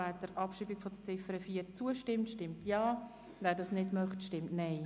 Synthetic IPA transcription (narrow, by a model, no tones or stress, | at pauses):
æːɾd̥əɾʔɑpʃiːbiɡ̥fɔd̥ət͡sɪfəɾəfiːəɾt͡suəʃtɪmtʃtɪmtjɑː | vɛːɾdɑsnɪdmœχtʃtɪmtnɛɪ